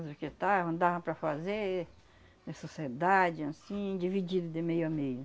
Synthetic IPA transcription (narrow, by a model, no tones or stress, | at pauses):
zʊket̪aɐ̃d̪avɐ̃pɾɐfaze | d̪esosied̪ad͡ʒɪasĩd͡ʒivid͡ʒid̪ʊd̪ɪmejʊɐmejʊ